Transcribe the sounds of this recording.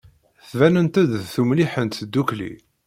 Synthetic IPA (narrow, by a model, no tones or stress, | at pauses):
θvænənt̪æd̪θumliħənt̪d̪ːuklḭ